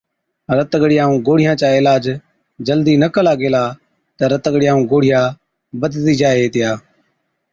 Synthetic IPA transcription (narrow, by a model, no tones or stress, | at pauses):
ɾət̪ɡəɽɪjãːũːɡoːɽɪjãːt͡ʃaːɪlaːd͡ʒ | d͡ʒəld̪iːnəkəlaːɡeːlaː | t̪əːɾət̪əɡɽɪjãːũːɡoːɽɪjãː | bəd̪t̪iːd͡ʒaːeːt̪ɪjaː